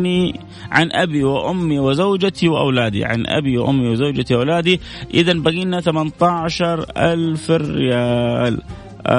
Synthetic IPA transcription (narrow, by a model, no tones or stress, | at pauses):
ni | ʕanʔabiwɪʔʊmːiwɪzawd͡ʒat̪iwʔa̰wlaːd̪ḭʕa̰nʔa̰biwʔʊ̰mːiwɪzawd͡ʒat̪iʔawlaːd̪i | ʔɪðanbaɣiːnaθamant̪aʕʃɑɾˤʔalfrɪ̰jaːl